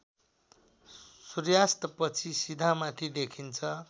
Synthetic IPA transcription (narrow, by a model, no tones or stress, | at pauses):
surjast̪pʌt͡sʰisid̪ʱamat̪ʰid̪ekʰint͡sʰʌ